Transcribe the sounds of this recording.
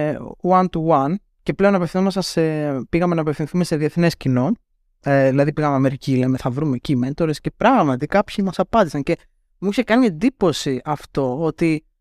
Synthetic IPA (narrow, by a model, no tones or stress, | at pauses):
wɐnt̪uwɐn | ce̞ple̞o̞nɐpefθinomest̪ɐsepiɣɐmenɐpe̞fθĩnθume̞se̞ðieθne̞scino̞ | eðilɐðipiɣɐmeɐme̞ɾicileme̞θɐvɾumeciment̪o̞ɾesce̞pɾɐɣmɐt̪ikɐpçimɐsɐpɐnd̪isɐnce̞ | muçekɐniend̪ipo̞siɐft̪o̞ot̪i